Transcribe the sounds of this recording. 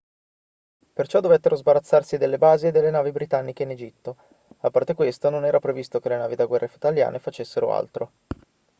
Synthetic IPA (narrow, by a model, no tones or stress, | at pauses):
pert͡ʃɔd̪ːovet̪ːeɾozbaɾat̪sːarsid̪elːebaːziːd̪ːelːenaːvibɾit̪anːik̟eined͡ʒit̪ːo | apːart̪ekwest̪ononɛːɾʔapɾevist̪okelenaːvid̪aɡwɛrːefuit̪alja̰ːnefat͡ʃesːeɾo̰a̰lt̪ɾo